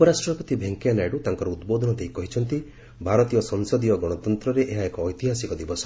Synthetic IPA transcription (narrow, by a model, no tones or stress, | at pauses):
upɔɾasʈɾɔpɔt̪ibʱeŋkianaɖut̪aŋkɔɾɔud̪bod̪ʱɔnɔd̪ʱejkɔɦit͡ʃʰɔnt̪i | bʱaɾɔt̪ijɔsɔŋsɔd̪ijɔɡɔɽ̃ɔt̪ɔnt̪ɾɔɾeʔeɦaekɔːjt̪iɦasikɔd̪ibɔsɔ